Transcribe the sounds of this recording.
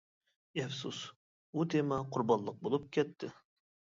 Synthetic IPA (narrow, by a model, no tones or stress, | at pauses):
ɛfsus | ut̪ʰemɑqʰʊɾbɑnlˠəq̚bolˠup̚kʲʰɛt̪ʰːɪ